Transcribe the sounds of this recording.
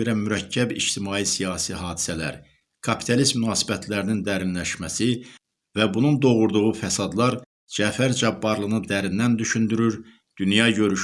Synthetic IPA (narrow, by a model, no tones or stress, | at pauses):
eɾæmyɾæcʰːæbḭʃt̪ʰimɑːjisijɑːsiɦɑːd̪i̥sælæ̰ɾ | kʰɑpʰi̥t̪ʰɑlist̪mynɑːsi̥bæt̪ʰlæɾinind̪æɾinlæʃmæsi | væbunund̪o̞ɣuɾd̪uʁufæsɑd̪lˠɑɾ | d͡ʒæfæɾd͡ʒɑbːɑɾlˠɯnɯd̪æɾind̪ænd̪yʃynd̪yɾyɾ | d̪̥ynjɑɟø̞ɾyʃ